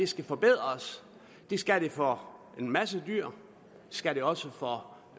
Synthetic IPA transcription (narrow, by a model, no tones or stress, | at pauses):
esɡ̥æfɒ̽b̥e̝ð̞̰ˠɐs | d̥esɡ̥æɾ̥efɒ | e̝nmæsədyɐ̰ | sɡ̥æɾeɒ̽səfɒ̽